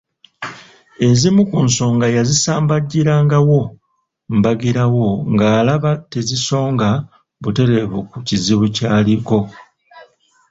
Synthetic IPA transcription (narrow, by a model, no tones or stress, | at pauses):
e̞zimukunso̞ːŋɡajazisaːmbaɟːiɾaːŋɡawo̞ | mbaɡiɾawo̞ŋɡaːlaβateziso̞ːŋɡa | βute̞ɾeβukuciziβucaːliko̞